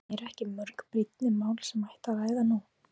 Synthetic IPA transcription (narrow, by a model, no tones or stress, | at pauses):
ɛɾɛhcɪmœɾkpɾit̪̚nɪmaːwlsɛmajht̪avaːjðanu